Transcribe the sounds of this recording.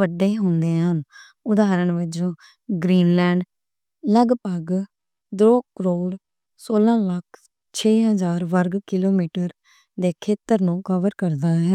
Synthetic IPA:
ʋəɖeːɦʊnd̪eːɦən | ʊd̪aːɾəɳʋəd͡ʒõː | ɡɾiːnlɛːɳɖ | ləɡpəɡ | d̪ɾoːkəɾoːɽ | soːlãːləkʰ | t͡ʃʰeːɦəzaːɾʋəɾɡkɪloːmiːʈəɾ | d̪eːkʰeːt̪əɾnũːkəʋəɾkəɾd̪aːɦɛː

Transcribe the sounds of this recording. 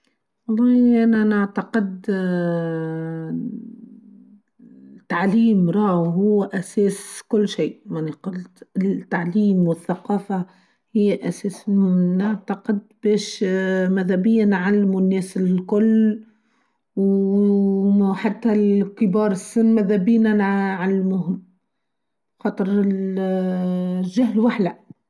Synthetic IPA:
wɑlˤːɑːhʔænænaʕt̪aqɪd̪ | t̪ːaʕliːmɾˤɑːhɦʊwːʔæsɛːskʊlːʃiːʔmaniqʊlt̪t̪ːaʕliːmwɪθːaqɑːfa | hɪjːʔæsɛːsnaʕt̪aqɪd̪̚b̥ɛːʃmæðhæbɪjːænʕalːmunːɛːsɪkʊlː | w | ħat̪ːælkɪbɑːɾˤɪsɪnːmæðhæbiːnænʕalːmuɦɪm | xɑːt̪ˤəɾ | ʒaɦlwaħlæ

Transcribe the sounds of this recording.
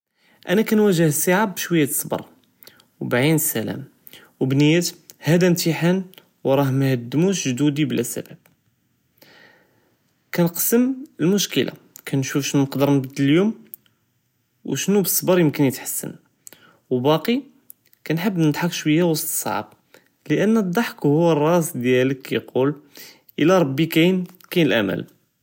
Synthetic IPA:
ʔænækænwæʒəhsˤɑʕabːʃwæjːæsˤːbɑ̰ɾˤ | wbʕinsælæ̰m | wbnəjːæt̪hæd̪æmt̪iħan | wɾˤɑhmhəd̪ːmuʃʒd̪ud̪iblʔæsæ̰bæb̥̚ | kænqə̥sːəməlmʊʃkəlʔa̰ | kʰænʃufʃnunəqd̪əɾˤnəbd̪ːəljum | wʃnubəsˤːbɑɾˤjəmkənjət̪ħḁsːə̰n | wbɑqi | kænħəbːnəd̪ħɑkʃwəjːawɑsˤt̪ˤsˤɑ̰ʕb̚ | ləʔənːəd̪ˤːɑħkhʊwːərˤːɑsd̪jæləkːæqul | ʔəlæɾˤɑbːikæn | kænəlʔæ̰mæ̰l

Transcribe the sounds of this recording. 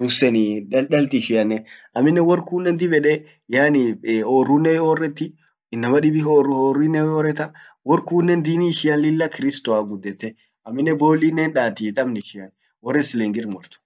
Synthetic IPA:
dʊsɛnɪᶑɐlt̪ɪʃɪɐnːɛʔɐmːɪnːɛwɔrkuːnːɛnd̪ɪbɛᶑɛ | jaːnɪoːrːunːɛoːrːɛt̪ːɪ | ɪnːɐmɐᶑɪbɪorʊhoːrinːɛɔːɾɛt̪ɐ | wɔɾkuːnːɛnd̪iːniʃɪɐlːɪlːɐkɪɾɪst̪ɔaɡʊd̪ːɛt̪ːɛ | ɐmːɪnːɛboːlːinːɛnᶑaːt̪it̪ʼɐmnɪʃɪɐn | wɔrːɛslɛŋɡɪɾmɔɾt̪ʊ̥

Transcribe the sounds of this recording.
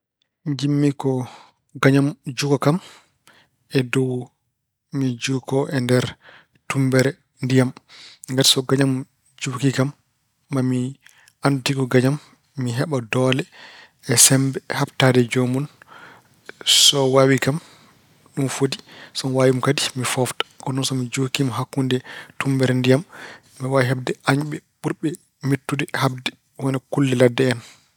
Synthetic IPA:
mid͡ʒimːikɔ | ɡaɲamd͡ʒukɔkam | ɛdɔw | mid͡ʒukɔʔɛndɛɾ | tumbɛɾɛ | ndijamŋɡaɾsɔɡaɲam | d͡ʒukikamː | ami | andutikɔɡaɲamː | iɦɛɓadɔlɛ | ɛsɛmbɛhaptadɛd͡ʒomun | sɔwawikam | ɗumfodisɔnwawimkadimifɔftḁkɔnɔnsɔmid͡ʒokimɔɦakːundɛtumbɛɾndijamː | iwaɦab̚dɛʔaɲɓɛɓuɾɓɛ | metːudɛhab̚dɛ | wɔnɛkulːɛladːɛːn

